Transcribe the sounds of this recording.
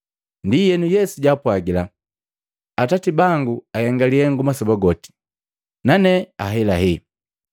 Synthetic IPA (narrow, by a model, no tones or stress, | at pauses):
ndijɛnujɛsuɟapwaɡila | atatibaŋɡuajɛŋɡaliɛŋɡumasɔbaɡɔti̥ | nanɛaɦɛlaɦɛ